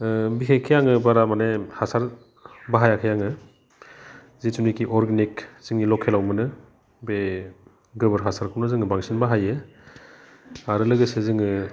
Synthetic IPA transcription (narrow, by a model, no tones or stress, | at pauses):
biɦʰejkʰijaŋɯbaɾamanehasaɾ | baɦajakʰajaŋɯ | zitunikiʔɔɾɡenikz̥iŋilɔkʰːelawmɯnɯ | be | ɡɯbɯɾɦasaɾkʰɯwnɯzɯŋɯbaŋsinbaɦajɯ | aɾɯlɯɡɯsezɯŋɯ